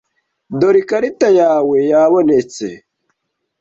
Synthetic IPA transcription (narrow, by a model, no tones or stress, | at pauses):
doɾikaɾitajaːwejaːβonet͡sḛ